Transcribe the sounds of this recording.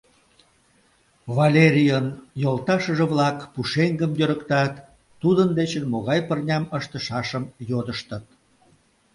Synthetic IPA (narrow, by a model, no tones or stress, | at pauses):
vɑlʲeɾʲijənjolt̪ɑʃəʒeβlɑkpuʃeŋɡəmjøɾəkt̪ɑt̪ː | ud̪ənd̪et͡ɕənmoɣɑjpərnʲɑməʃt̪əʃɑʃəmjod̪əʃt̪ət̪̚